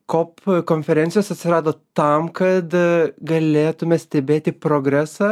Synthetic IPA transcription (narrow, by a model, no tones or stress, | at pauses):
koːpkoːnʲfʲɛɾʲɛnt̪sʲɪjoːsɐt̪ʲsʲɪɾɑːd̪oːt̪ɐmkɐt̪ɡɐlʲeːt̪ʊmʲɛsʲt̪ʲɛbʲeːt̪ʲɪpɾoːɡɾʲæsɑː